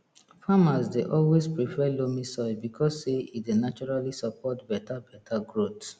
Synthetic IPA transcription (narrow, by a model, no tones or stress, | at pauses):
famasdeʔɔlwespɹifɛlomisɔbikʰɔsːeidenat͡ʃɔɹalisapʰɔtbɛtabɛtʰaɡɹot